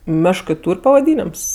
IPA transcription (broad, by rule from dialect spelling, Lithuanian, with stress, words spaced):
ˈmʲæːʃkɜ ˈtuːrʲ pɐʋɐˈdʲiːnʲɛms